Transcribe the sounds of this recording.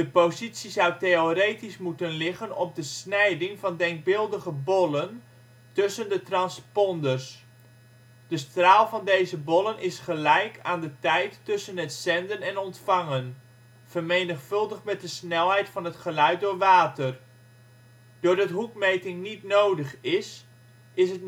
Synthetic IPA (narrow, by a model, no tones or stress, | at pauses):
d̥əpozitsizawtejorejtismutənlɪχənɔp̚dəsnɛjdɪŋvɑndɛŋk̚bɪlˠdəχəbɔlən | tɵsəndətrɑnspɔndərs | d̥əstraːlˠvɑndejzəbɔlənʔɪsχəlɛjkaːndətɛjtːɵsənɦətsɛndənɛnɔntfɑŋən | v̥ərmejnəχfɵlˠdəχmɛt̚dəsnɛlˠɦɛjtfɑnɦətχəlœɥt̚dʊːɹʋaːtər | d̥ʊːɹdɑtɦukmejtɪŋnitnowdəχɪs | ɪsət